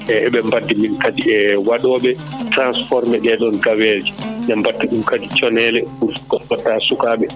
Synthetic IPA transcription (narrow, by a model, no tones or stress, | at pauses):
ɛʔɛɓɛmbadːiminkatiɛwaɗɔːɓɛtɾansfɔɾmɛɗɛɗɔnɡawɛd͡ʒiɲambatːiɗumkadit͡ʃɔnɛːlɛkuɾfkɔkɔtːasukaːɓɛ